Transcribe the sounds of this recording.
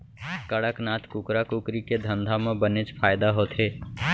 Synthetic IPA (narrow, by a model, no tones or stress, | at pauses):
kəɽəknaːt̪ʰkʊkɾakʊkɾiked̪ʱə̃nd̪ʱamẽbənet͡ʃpʰaːjd̪aɦoːt̪ʰɦeː